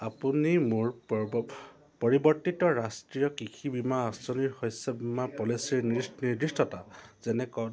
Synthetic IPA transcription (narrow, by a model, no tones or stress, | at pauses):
apunimoɹ | pɔɹibɔɹtitɔɹastɹijɔkikʰibimaasɔniɹhɔjsɛbimapɔlisiɹniniɹdistɔtazɛnɛkɔ